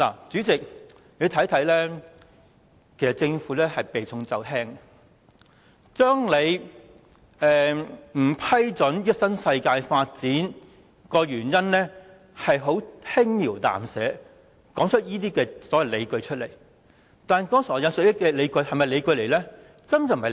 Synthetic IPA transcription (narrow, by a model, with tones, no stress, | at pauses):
la̰ː˨˩t͡syː˨˥t͡sɪ˨k̚ | le˨˧t̪ʰɐ˨˥jt̪ʰɐ˨˥jlɛː˥ | kʰe˨˩sɐ˨t̚t͡sɪ˧ŋfuː˨˥lɛː˥hɐ˨jpe˨jt͡sʰʊ˧ŋt͡sɐ˨˧wʰɛː˥ŋ | t͡ʃœː˥ŋle˨˧j | ɛː˨m̩˨˩pʰɐ˥jt͡sɵ˨˥njːɐ˥t̚sɐ˥nsɐ˧jkaː˧jfaː˧t̚t͡siː˨˥n | kɔː˧ɥyː˨˩njɐ˥nlɛː˥ | hɐ˨jɦo˨˥whɪ˥ŋmiː˨˩wt̪a̰ː˨msɛ̰ː˨˥ | kɔː˨˥ŋt͡ʃʰɵ˥t̚jiː˥t̪̬iː˥kɛː˧sɔː˨˥jɐ˨˧wle˨˧jkɵ˧ɥt͡ʃʰɵ˥t̚le˨˩j | t̪aː˨˩nkɔː˥ŋsɔː˨˩jɐ˨˧nsɵ˨˧jɪ˥kɛː˧le˨˧jkɵ˧ɥhɐ˨jmɐ˨jle˨˧jkɵ˧le˨˩lɛː˥ | kɐ˥m˨t͡sm˨ɐ˨